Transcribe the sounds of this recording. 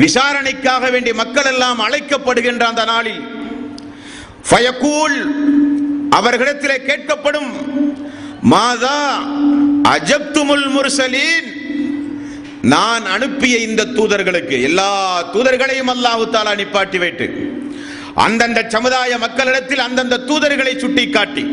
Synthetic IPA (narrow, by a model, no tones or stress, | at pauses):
ʋɪsaːɾɐɳɪkːaːɣɐʋeːɳɖimɐkːɐɭɛlːaːmɐɻɐɪkːɐpːɐɽɯɣɪndrɐːnd̪ɐnaːɭi | fɐjɐkuːl | ʔɐʋɐɾɣɪɽɐt̪ːɪleːkeːʈ̚kɐpːɐɽɯm | maːðaː | ʔɐ̰d͡ʒɐb̚t̪ʊmʊlmʊɾsɐliːn | naːnɐɳɯpːɪjɐɪnd̪ɐt̪ːuːðɐɾɣɐɭɯkːɯɛlːaːt̪uːðɐɾɣɐɭɐjɯmɐlːaːhɯt̪aːlaːnɪpːaːʈːiʋɐɪʈːɯ̰ | ʔɐ̰nd̪ɐnd̪ɐt͡ʃɐmɯðaːjɐmɐkːɐɭɪɽɐt̪ːɪlɐnd̪ɐnd̪ɐt̪ːuːðɐɾɣɐɭɐɪt͡ʃːʊʈːɪkːaːʈːi